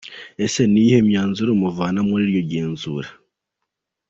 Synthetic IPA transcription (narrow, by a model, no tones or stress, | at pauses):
ese̞nihe̞mjaːnzuɾomuvaːnamuɾiɾjo̞ɾɟeːnzṵːɾe